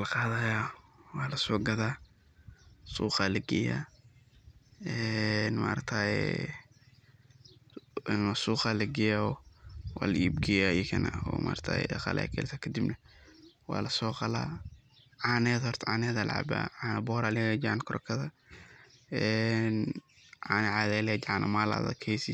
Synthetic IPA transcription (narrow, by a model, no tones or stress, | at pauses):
lqɑːðɐjawɑːlɐsɔːɡɐðaː | suːqɑlɐɡɛja̰ | ɛnma̰ːɾɐt̪ʰajɛ̰ | nasuːqɑlɐɡɛjaɔwa̰ːlɐiːbɡɛjajkʰɐnɐ̰ɔ̰ːmaːɾt̪ʰa̰ɛ̰dɐqɑ̰lʔɛ̰kʰɛ̰ːlt̪ʰɐkʰɐd̪ibnɐwɑːlɐsɔːqɑla̰ː | ʕanɛːðɔrt̪ʰʕaːnɛːðal̰ʕa̰ba̰ːʕaːnɐbɔɾalɪɣɐd͡ʒankʰʊɾʔɔkʰɐðɐ | ɛn | aːnɛʕaðɛld͡ʒʕanʔɐ̰maːla̰ðɐ̰kʰɛːsi